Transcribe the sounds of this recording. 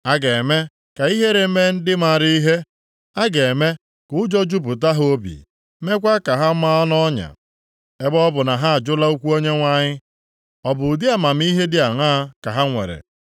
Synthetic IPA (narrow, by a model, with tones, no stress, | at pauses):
a˦ɡe˨me˦ | ka˨i˦ɦe˦ɾe˨m̩˦me˦n̩˦dɪ˦ma˦˨ɾi˦i˦ɦe˦ | a˦ɡe˨me˦ | kʊ˦d͡ʒɔ˦d͡ʒʊ˦bʊ˨t̬a˦ɦo˦bḭ˨˦ | me˦kʷa˦ka˨ɦa˦ma˦ɔ˦nɔ˦ɲa̰˨ | e˦bɔ˦bʊ˨na˨ɦa˦a˨d͡ʒʊ˦la˦u˦kʷu˦o˦ɲe˦ŋʷa˦ɲɪ˦ | ɔ˨bʊ˨dɪ˦a˨ma˨m̩˦i˦ɦe˦dɪ˦a˨ŋaː˦ka˨ɦa˦ŋʷḛ˨ɾḛ˨